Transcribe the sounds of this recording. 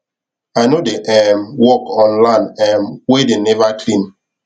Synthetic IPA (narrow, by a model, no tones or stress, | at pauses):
aɪnodeʔɛmwɔkɔ̃nlãɪnɛmwedenɛvakʰlĩn